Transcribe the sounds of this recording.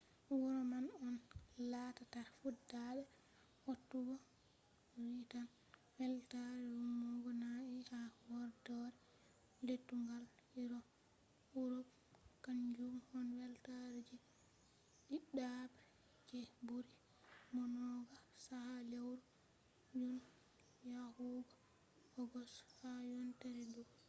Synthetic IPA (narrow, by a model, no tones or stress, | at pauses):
wɔɾɔmanɔnlatataɾfudaɗɛ | hotːuɡɔ | witan | wɛltaɾɛumɔɡɔnaihawɔɾdɔɾɛ | letːuŋɡaliɾɔ | uɾɔb | kaɲd͡ʒumhɔnwɛltaɾd͡ʒɛ | ɗiɗabɛ | kɛbuɾi | mɔnɔɡasahalewɾɔ | d͡ʒun | jahuɡɔ | hɔɡɔshajɔntaɾɛdu